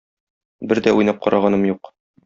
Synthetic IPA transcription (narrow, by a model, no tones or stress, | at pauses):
bɘɾd̪æujnɑp̚qɒɾʔɑʁɑnɤmjuq